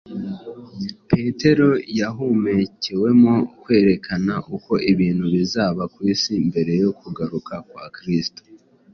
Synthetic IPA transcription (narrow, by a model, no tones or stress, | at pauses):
pe̞te̞ɾo̞jaɦumeciwe̞mo̞kwe̞ːɾe̞kʰanaʔuko̞ʔiβiːnhuβizaːβakwiːsimbe̞ɾe̞jo̞kʰuɡaɾukʰakwaːkɾisto̥